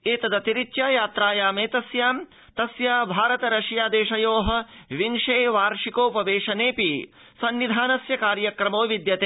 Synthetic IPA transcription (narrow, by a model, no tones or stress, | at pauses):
eːt̪ɐd̪ɐt̪iɾit͡ʃjaːjaːt̪ɾaːjaːmeːt̪ɐsjaːm | t̪ɐsjaːbʱaːɾɐt̪ɐɾɐʃjaːd̪eːʂɐjoːɦɐ̆ʋinʃeːʋaːɾʂikoːpɐʋeːʂɐneːpi | sɐnʋid̪ʱaːnɐsjɐkaːɾjɐkɾɐmoːʋid̪jɐt̪eː